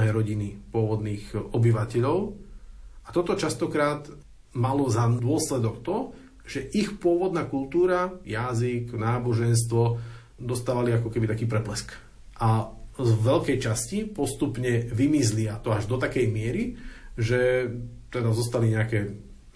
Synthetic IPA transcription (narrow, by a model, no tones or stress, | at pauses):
ɦɛːɾɔɟinipʊɔʋɔd̪niːɣɔbiʋacɛʎɔʊ | at̪ɔt̪ɔt͡ʃast̪ɔkɾaːt̪ | malɔzad̪ʊɔslɛd̪ɔkt̪ɔ | ʒ̥ɛʔixpʊɔʋɔd̪naːkult̪uːɾajaziknaːbɔʒɛns̬t̪ʋɔ | d̪ɔst̪aːʋaliakɔkɛbit̪akiːpɾɛplɛsk | ʔazʋɛʎkɛjt͡ʃascipɔst̪upɲɛʋimizliat̪ɔaʒd̪ɔt̪akɛjmɪɛɾiʒɛt̪ɛd̪azɔst̪aliɲɛakɛː